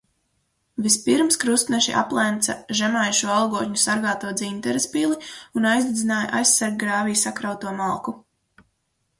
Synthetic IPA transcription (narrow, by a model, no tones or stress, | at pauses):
vispiɾmskɾust̪nɛʃḭʔa̰plˠɛnt̪saʒɛmajʃuɔalˠɡuɔt̪ɲusaɾɡaːt̪uɔd̪zint̪ɛɾɛspilˠiunajzd̪id̪zinaːja̰ʔa̰jsːaɾɡ̚ɡɾaːvijsakɾawt̪uɔmalˠku